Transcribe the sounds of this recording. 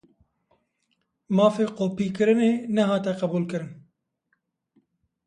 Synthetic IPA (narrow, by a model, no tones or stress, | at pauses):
mɑːfeːqoːpiːkɨɾɨneːnɐɦɑːt̪ɛqɐbuːlkɨɾɨn